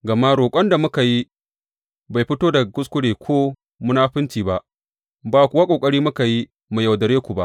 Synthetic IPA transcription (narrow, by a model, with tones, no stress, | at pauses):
ɡɐ˨ma˦ɽoː˨kʷʼɐ˦nda˨mʊ˦ka˨ji˦ | ba˨jɸɪ˦toː˦da˨ɡʊ˦skʷʊ˦ɽeː˨kʰʷoː˦ | mʊ˦naː˦ɸɪ˦ntiː˨ba˦ʔ | baː˨kʷʊ˦wa˦kʷʼoː˨kʼɐ˦ɾiː˦mʊ˦ka˨ji˦ | mu˨jɐ˨wdɐ˨ɽeː˦kʷu˨ba˦ʔ